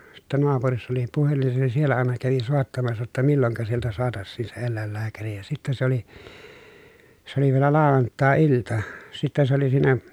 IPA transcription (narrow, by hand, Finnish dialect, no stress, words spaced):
sitːæ noɑpurisːɑ oli puhelin se sielːæ ɑˑenɑ kæʋi soˑetːɑmɑsːɑ jotːɑ milːoŋkɑ sieltæ soɑtɑsːiːn se elːæˑelːæːkæri jɑ sitːe se oli s oli ʋielæ lɑˑoʋɑntˑɑˑeiltɑ sitːe se oli siːnæ